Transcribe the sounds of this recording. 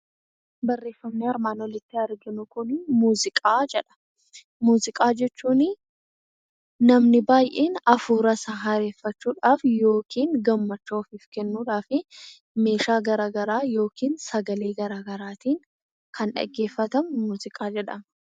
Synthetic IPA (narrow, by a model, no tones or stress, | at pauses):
bɐrːe̞ːfːɐmniːɐɾmaːnwɔlɪt̪ːɪɐɾɡɪnʊkʊnmuːzɪkʼaːd͡ʒɛᶑɐ̥ | muːzɪkʼaːd͡ʒɛt͡ʃːuːnɪ | nɐmnɪbaːjʔeːnɐfuːɾɐsɐɦɐɾe̞ːfːɐt͡ʃːuːᶑaːfjo̞ːkiːŋɡɐmːɐt͡ʃːoːfɪfkɛnːuːᶑaːfɪ | me̞ːʃaːɡɐɾaːɡɐɾaːjo̞ːkiːnsɐɡɐleːɡɐɾaːɡɐɾaːt̪iːŋ | kʰɐnᶑɐ̰ɡːe̞ːfːɐt̪ɐmmuːzɪkʼaːd͡ʒɛᶑɐ̰m